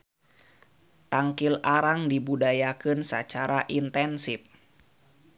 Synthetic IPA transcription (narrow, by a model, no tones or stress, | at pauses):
t̪aŋkilaɾaŋdibudajakɨnsə̰t͡ʃaɾaʔint̪ɛnsif